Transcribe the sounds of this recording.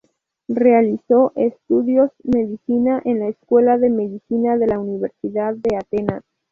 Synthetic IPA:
re̞aliso̞ʔest̪uðjo̞zme̞ðisinaʔenlaeskwe̞laðe̞me̞ðisinaðe̞launiβ̞e̞ɾsiðaðːe̞at̪enas

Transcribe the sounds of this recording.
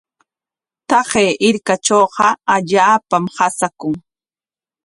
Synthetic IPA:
t̪ɑɢeːʔɪɾkat͡ʃoːqɑaʎaːpamhasakʊŋ

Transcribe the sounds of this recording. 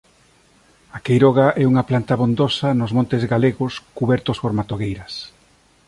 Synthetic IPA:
akejɾɔɣ̞aʔɛuŋɐplant̪ɐβond̪osɐnʊzmõnt̪ɪzɣaleɣʊskuβɛɾt̪ʊspoɾmat̪oɣejɾɐs

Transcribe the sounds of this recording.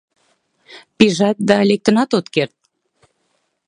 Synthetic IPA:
piʒɑt̪̚d̪ɑlek̚t̪ə̆nɑt̪ot̪kert̪̚

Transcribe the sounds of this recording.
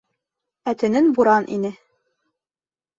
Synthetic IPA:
æt̪ɘ̆nɘnbuɾɑnʔḭnɘ

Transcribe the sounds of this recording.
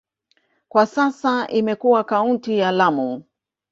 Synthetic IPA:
kwasasaʔimɛkuwakauntijalamu

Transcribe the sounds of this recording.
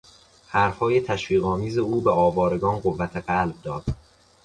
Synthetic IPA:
hæɾfhɒːjet̪ʰæʃviːɣɒːmiːze̞uːbeɒːvɒːɾe̞ɡɒːnɢovːæt̪ʰeɢælb̚d̪ɒːd̪̥

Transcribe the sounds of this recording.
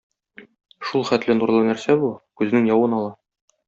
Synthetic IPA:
ʃulˠχæt̪lɘnuɾlˠɤnæɾsæbukʉzɘ̆nɘŋjɒwɤnɒlˠɑ

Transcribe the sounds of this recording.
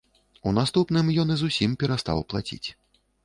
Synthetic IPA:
unast̪upnɨmjɔnɨzusʲimpʲɛɾast̪a̰wplˠa̰t͡sʲḭt͡sʲ

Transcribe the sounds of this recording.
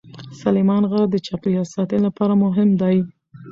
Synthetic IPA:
salemɑnɣaɾd̪ət͡ʃɑpɾiasɑt̪əlapɑɾamʊɦɪmd̪aj

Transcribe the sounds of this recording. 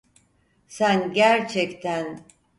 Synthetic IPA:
sænɟæɾt͡ʃʰɛct̪ʰæn

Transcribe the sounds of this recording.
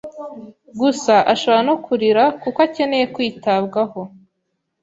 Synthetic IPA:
ɡusaʔaʃoβoɾanokʰuɾiɾakukace̞ne̞je̞kwiːtabɡaho̞

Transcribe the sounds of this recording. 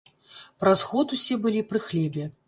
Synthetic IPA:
pɾasxɔt̪usʲɛbɨlʲipɾɨxlʲɛbʲɛ

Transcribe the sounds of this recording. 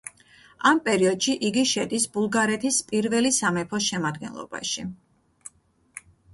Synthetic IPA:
ampʼɛɾiɔd̪ʃiʔiɡiʃɛd̪isbulˠɡaɾɛt̪ʰispʼiɾvɛlisamɛpʰɔʃɛmad̪ɡɛ̰nlˠɔ̰b̥a̰ʃi

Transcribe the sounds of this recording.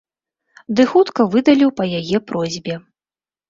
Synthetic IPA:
d̪ɨxut̪kɐvɨd̪ɐlʲiwpɐjajɛpɾɔzʲbʲɛ

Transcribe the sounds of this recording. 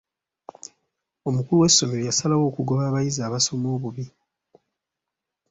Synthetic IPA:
o̞mukuluwe̞sːo̞meɾojasalawo̞ːkuɡo̞βaːβajizaːβaso̞mo̞ːβuβi

